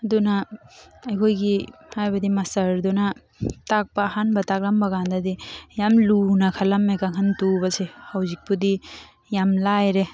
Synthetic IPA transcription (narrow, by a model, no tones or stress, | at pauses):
ɐdunaː | jkʰojɡihajbɐdimɐsɐɾduna | tak̚paːhanbɐtak̚lambɐɡandadijamlunakʰalamːekaŋʰɦantubɐsehawzik̚pudi | jamlajɾe